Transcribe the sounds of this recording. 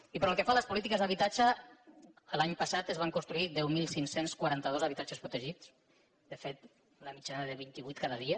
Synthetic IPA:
ipɾɔəlˠkəfaləspulit̪ikəzðəβit̪ad͡ʒəː | laɲpəsat̪əzβaŋkunst̪ɾuiðɛwmilˠsiŋsenskwaɾant̪əð̞ozəβit̪at͡ʃəspɾut̪əʒit͡s | d̪əfet̪ | ləmit͡ʃanəðəβint̪iβujt̪̚kaðəðiə

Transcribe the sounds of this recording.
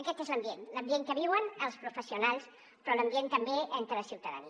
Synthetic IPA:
əkɛt̪ezləmbjenləmbieŋkəβiwənəlˠspɾufəsiunalˠs | pɾɔləmbjent̪əmbeʔent̪ɾəəsiwt̪əðə̰ni

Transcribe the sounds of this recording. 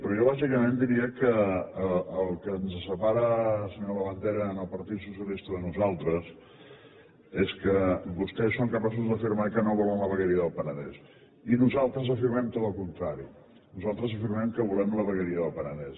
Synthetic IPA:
pɾɔʒoβ̞azikəmẽnd̪iɾiəkəəːlˠkənzəsəpaɾəsəɲoləβənt̪eɾəːnəlˠpəɾt̪it̪susjəlist̪əðənuzalˠt̪ɾəs | eskəbust̪ɛsoŋkəpas̬uzd̪əfiɾmaikənoβulɛmləβəɣəɾiəðəlˠpənəðɛ̰s | inuzalˠt̪ɾəzəfiɾmɛmt̪ot̪əlˠkunt̪ɾaɾi | nuzalˠt̪ɾəzəfiɾmɛmkəβulɛmləβəɣəɾiəðəlˠpənəðɛs

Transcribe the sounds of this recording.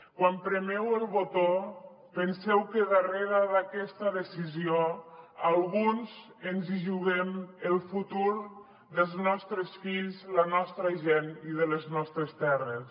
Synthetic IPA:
kwampɾəmɛwəlˠβot̪o | pənsɛwkəðəreɾəðakɛst̪aðəsizioalˠɣunz | ənziʒuɣɛməlˠfut̪uɾ | ðəlˠznɔst̪ɾəsfiʎzlanɔst̪ɾaʒeniðələznɔst̪ɾəst̪ɛrəs

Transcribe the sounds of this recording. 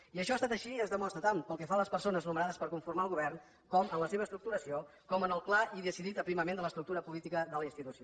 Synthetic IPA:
iəʃɔast̪at̪əʃiəzðəmɔst̪ɾət̪ampəlˠkɛfaləspəɾsonəznumənaðəspəɾkuɱfuɾmalˠɣuβ̞ɛrn | kɔmənləseβəst̪ɾuk̚t̪uɾəsio | kɔmənəlˠklaiðəsiðit̪əpɾiməmend̪ələst̪ɾuk̚t̪uɾəpulit̪ikəðələinst̪it̪usio

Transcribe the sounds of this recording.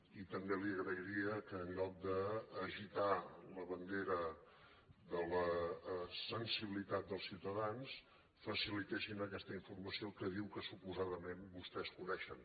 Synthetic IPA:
it̪əmbeliəɣɾəiɾiəkəːnʎɔk̚d̪əːʒit̪aləβənd̪eɾə | ðələ | sənsiβilit̪at̪̚d̪əlˠsiwt̪əðans | fəsilit̪esinəkɛst̪əiɱfurməsiokəðiwkəsupuzaðəmenbust̪ɛskunɛʃən

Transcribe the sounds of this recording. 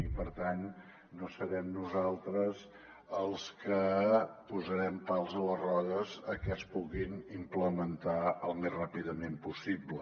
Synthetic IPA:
ipəɾt̪anː | osəɾɛmnuzalˠt̪ɾəz | əlˠskəpuzəɾɛmpalˠzələrɔðəzəkɛspuɣinimpləmənt̪aəlˠmezrapiðəmempusiblə

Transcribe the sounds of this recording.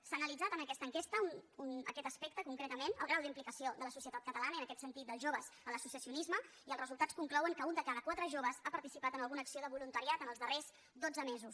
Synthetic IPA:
saːnəlid͡zat̪ənəkɛst̪əŋkest̪əununə̰kɛt̪əspek̚t̪əkuŋkɾet̪əmenə̰lˠɣɾawd̪implikəsioðələsusiət̪at̪kət̪əlanəənəkɛt̪sənt̪it̪̚d̪əlˠʒoβəzələsusəsiunizmə | iəlˠrəzulˠt̪at͡sskuŋklɔwəŋkəund̪əkaðəkwat̪ɾəʒoβəzapəɾt̪isipat̪ənəlˠɣunəksioðəβulunt̪əɾiat̪ənəlˠzðərez | d̪od͡zəmezus

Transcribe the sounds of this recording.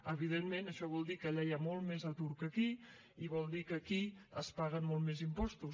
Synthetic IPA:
əβ̞ið̞emmenəʃɔβɔlˠd̪ikəʎajamɔlˠt̪mezət̪uɾkəki | iβɔlˠd̪ikəkiəspaɣənmɔlˠmezimpɔst̪us

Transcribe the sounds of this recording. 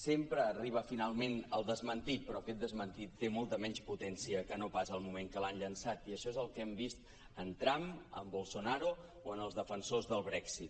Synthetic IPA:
sempɾəːriβ̞əfinalˠmenəlˠd̪əzmənt̪it̪̚pɾɔkɛt̪̚d̪əzmənt̪it̪ːemɔlˠt̪əmɛnsput̪ɛnsiəkənopazəːlˠmumeŋkəlaɲʎənsat̪iəʃɔezəlˠkɛmbist̪ | ənt̪ɾamə̰mbolˠsonaɾu | oənəlˠzðəfənsozðəlˠβɾɛksit̪

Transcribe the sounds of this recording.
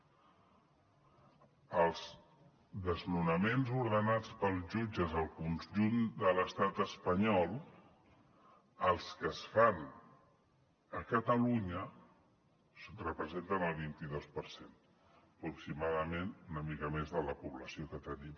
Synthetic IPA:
əlˠz | d̪əznunəmenzuɾðənat͡spəlˠzʒud͡ʒəzəlˠkunʒund̪ələst̪at̪əspəɲɔlˠ | əlˠskəsfan | əkət̪əluɲə | srəpɾəzent̪ənəlˠβint̪iðospəɾsen | əpɾuksimaðəmenunəmikəmezðələpuβləsiokət̪ənim

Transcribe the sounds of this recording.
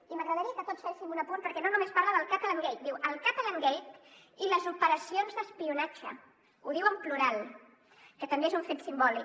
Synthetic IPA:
iməɣɾəðəɾiəkət̪otsfeʃimunəpunpəɾkɛnonumespaɾləðəlˠkat̪əlaŋɡejt̪̚d̪iwʔəlˠkat̪ələŋɡɛjt̪ | iləzupəɾəsionzðəspiunat͡ʃə̰ | uðiwəmpluɾalˠ | kət̪əmbeezuɱfet̪simbɔli

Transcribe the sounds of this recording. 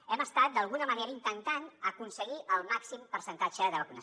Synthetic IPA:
ɛməst̪at̪̚d̪əlˠɣunəməneɾəint̪ənt̪anəkunsəɣiʔəlˠmaksimpəɾsənt̪at͡ʃəðəβəkunəs

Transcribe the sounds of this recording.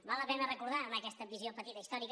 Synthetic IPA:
malˠəpɛnərəkuɾðaəməkɛst̪əd̪iziopət̪it̪əist̪ɔɾik

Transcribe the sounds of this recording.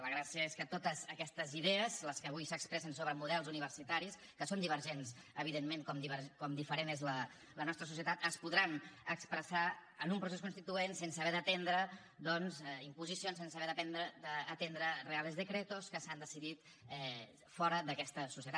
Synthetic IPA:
ləɣɾasiəeskət̪ot̪əzəkɛst̪əziðeəzləskəːβujsəkspɾɛsənsoβɾəmuðɛlˠzuniβ̞əɾsit̪aɾis | kəsond̪iβ̞əɾʒens | əβiðemmeŋkɔmd̪iβəɾkɔmd̪ifəɾenezlə | lənɔst̪ɾəsus̬iət̪at̪əspuðɾanəkspɾəsaənumpɾuses̬kunst̪it̪uensensəβɛðət̪end̪ɾə | d̪ɔnzimpuzisionsensəβɛðəp̪ɛnd̪ɾəd̪əːt̪end̪ɾərealezðəkɾet̪oskəsand̪əsiðit̪ | ɛ | fɔɾəðəkɛst̪əsusiət̪a

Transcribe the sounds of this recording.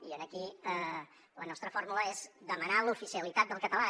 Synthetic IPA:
iənəkiə | lənɔst̪ɾəfɔɾmuləezd̪əmənalufisiəlit̪at̪̚d̪əlˠkət̪əla

